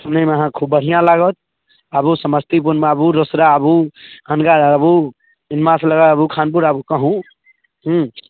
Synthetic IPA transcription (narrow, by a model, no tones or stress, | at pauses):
səmnemeəɦãkʰubbəɽ̤ijãlaɡət̪ | əbusəməst̪ip̬unmeəbuɾosɾaəbuənɡaɾaɾəbu | inmasləɡat̪əbukʰanpuɾəbukəɦũ | ɦũ